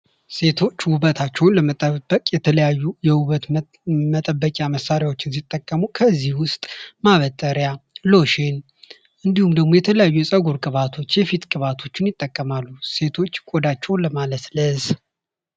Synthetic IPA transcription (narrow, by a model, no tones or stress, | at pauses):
se̞t̪ʰo̞t͡ʃːwʊβət̪ʰat͡ʃːɛwʊnləmət̪ʼːəbːəkʼjɛt̪ʰələjajːujɛwuβət̪ | mət̪ʼəbːəkʼjaməsːaɾɪjawo̞t͡ʃːɪns̬it̪ʼːəkʼːəmukʰəzːihwʊst̪ʼmaβət̪ʼːəɾjalo̞ʃe̞n | ʔɨnd̪ihumd̪əɡmo̞jɛt̪ʰələjajːujɛsʼəɡuɾkʼɨβat̪ʰo̞t͡ʃːjɛfit̪kʼɨβat̪ʰo̞t͡ʃːɪnjɪt̪ʼːəkʼːəmalːuse̞t̪ʰo̞t͡ʃːkʼod̪at͡ʃːɛwnləmalət̪ləz